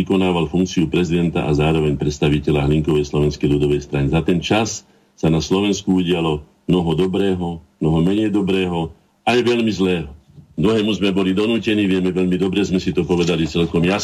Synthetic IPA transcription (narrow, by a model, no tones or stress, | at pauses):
ikɔnaːʋalfuŋkt͡siupɾɛzid̪ɛnt̪a̰ʔazaːɾɔʋɛɲpɾɛt̪st̪aʋicɛʎaɦliŋkɔʋɛjslɔʋɛnskɛjlud̪ɔʋɛjst̪ɾanizat̪ɛnt͡ʃasː | anaslɔʋɛnskuuɟɪalɔ | mnɔɦɔd̪ɔbɾɛːɦɔmnɔɦɔmɛɲɛjd̪ɔbɾɛːɦɔ | ajʋɛʎmizlɛːɦɔ | d̪ɾuɦɛːmuzmɛbɔlid̪ɔnuːcɛniːʋɪɛmɛʋɛʎmid̪ɔbɾɛzmɛsit̪ɔpɔʋɛd̪alit͡sɛlkɔmja